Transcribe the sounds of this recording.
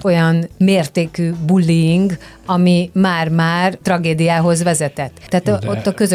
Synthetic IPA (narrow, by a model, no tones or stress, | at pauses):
o̞jɒnmeːrt̪eːkyːbulːiiŋk | ɒmimaːrmaːrt̪rɒɡeːd̪ijaːɦo̞zʋɛzɛt̪ɛt̪ːɛːt̪ot̪ːɒkø̞zø